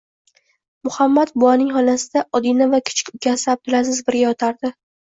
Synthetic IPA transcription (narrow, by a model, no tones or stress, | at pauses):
mʊhamːat̪bʊanɪŋhɒlasɪd̪aʔɒd̪inavakʲʰɪ̥t͡ʃʰɪ̥kʲʊkʲʰasɪab̚d̪ʊlasɪzbɪɾɡʲajɒt̪ʰaɾd̪ɪ